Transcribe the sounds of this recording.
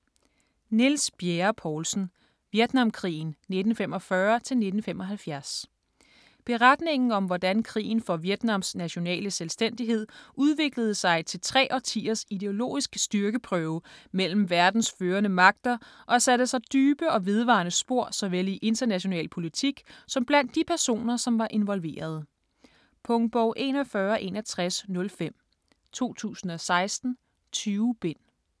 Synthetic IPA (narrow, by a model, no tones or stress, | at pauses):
nelsb̥jeɐpʰɒːlsn̩ | ʋjed̥nɑ̈mkʰʁḭːnne̝d̥n̩fem̰ɒ̽fɶɐt͡sʰe̝lne̝d̥n̩femɒɦælfjæɐs | b̥e̝ʁad̥ne̝ŋn̩ɒ̽mʋɒd̥ænkʰʁḭːn̩fɒ̽ʋjed̥nɑ̈m̰snæɕo̝nɛ̰ːləselsd̥en̰d̥iɦe̝ð̞̰ˠʔuð̞ˠʋe̝ɡ̥ləð̞̩ˠsɑ̈ɪt͡sʰe̝lt͡sʰʁɛ̰ːʔɒ̽t͡sʰḭːɐsid̥e̝o̝lo̝̰ːisɡ̥əsd̥yɐɡ̥əpʰʁœʊmel̰m̩ʋæɐd̥n̩sføːɐnəmɑ̈ɡ̥̚d̥ɐʔɒ̽sæd̥əsɑ̈ɪd̥yːb̥əɒ̽ʋe̝ð̞ˠʋɑ̰̈nəsb̥o̝ɐ̰sɒ̽ʋeliʔe̝nd̥ɐnæɕo̝nɛ̰ːlpʰo̝lit͡sʰiɡ̥sɒ̽mb̥læn̰d̥ːipʰæɐso̝̰ːnɐsɒ̽mʋɑ̈ʔe̝nʋɒ̽lʋe̝̰ːɐð̞̩ˠ | pʰɔŋb̥ɒʊ̰ʔe̝̰nɒ̽fɶːɐʔe̝ːnæt͡sʰʁasnɔ̽lfem̰ | t͡sʰo̝̰ːt͡sʰṵːsn̩ɒ̽sɑ̈ɪsd̥n̩ | t͡sʰyːʊb̥e̝n̰